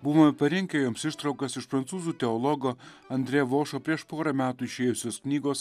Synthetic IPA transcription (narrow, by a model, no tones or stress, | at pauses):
bʊʋoːmʲpɐɾʲɪŋʲkʲejoːmsɪʃt̪ɾɐʊkɐsɪʃpɾɐnsuːzuːt̪ʲɛɔlˠɔɡoː | ɐnʲd̪ʲɾʲɛʋoːʃoːpʲɾʲiɛʃpoːɾɐmʲæːt̪uːɪʃʲeːjʊsʲoːsknʲiːɡoːs